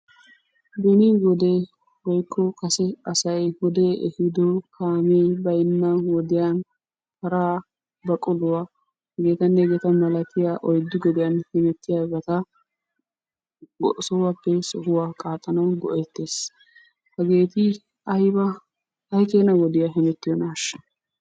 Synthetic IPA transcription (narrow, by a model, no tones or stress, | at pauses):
ɡɛnɪwɔd̪e | wɔjkʰːɔkɐsɛɐsɐjwɔd̪eːʔɛhɪd̪ɔkʰaːmebɐjnːɐwɔd̪ɪjan | kɐɾaː | bɐkʼɔlʊwa | hɐɡeːt̪ɐnːɛɡeːt̪ɐmɐlɐt̪ɪjaːʔɔjd̪ːɪɡɔd̪ɪjanhɛnɛt̪ːɪjabɐt̪ɐ | ɡɔʔsɔwaːpːɛsɔɦʊwaːkʼaːt̪ʼːɐnɐwɡɔ̰ʔɛt̪ːeːs | hɐɡe̞ːt̪ɪ | ɐjbɐ | ɐjkeːnɐɡɔd̪ɪjaɦɪnɛt̪ːɪjɔnaːʃɐ̥